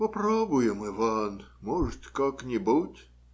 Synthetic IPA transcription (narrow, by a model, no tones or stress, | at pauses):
pɐpɾobʊjɪmɨvanmɔʐɨt̪kaknʲɪbutʲ